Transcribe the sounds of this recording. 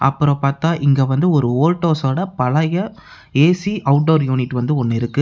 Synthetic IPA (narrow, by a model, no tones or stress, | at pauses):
ʔɐ̰pːɯɾɔ̃paːɾt̪ãːʔɪŋɡeːʋɐnd̪ɯɔɾɯoːlʈːoːsoːɽɐpɐɭɐjɐ | eːsiʔɐʊʈɖoːɾjuːnɪʈːʋɐnd̪ɯɔnːɪɾɯkːɯ